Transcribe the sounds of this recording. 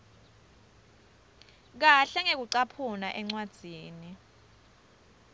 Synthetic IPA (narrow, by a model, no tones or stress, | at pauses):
k̬aɬɛŋek̬uǀapʰunaʔɛŋ͡ǀwad̥ʱiːni